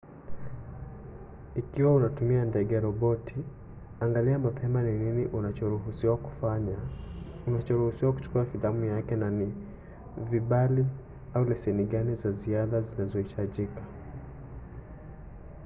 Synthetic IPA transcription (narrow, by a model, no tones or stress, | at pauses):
ikiwaunatumiandɛɡɛaɾɔɓɔtʰi | aŋɡaliamapʰɛmanininiʔuat͡ʃɔɾuusiwa | unat͡ʃɔɾuhusiwaku̥t͡ʃu̥kuafilamujakɛnani | viɓali | aulɛsɛniɠanizaziaðazinazɔhitʰaʄikḁ